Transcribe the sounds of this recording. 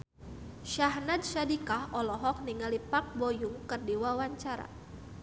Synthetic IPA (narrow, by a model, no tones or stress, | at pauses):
ʃaɦnat̪̚ʃadikahʔɔlɔɦɔk̚niŋalipak̚bojuŋkərdiwawaɲt͡ʃaɾa̰